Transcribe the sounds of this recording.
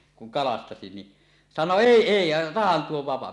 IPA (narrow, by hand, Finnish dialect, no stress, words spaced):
kuŋ kɑlɑstɑsi ni sɑno eˑi eˑi jɑ otɑhɑn tuo ʋɑpɑ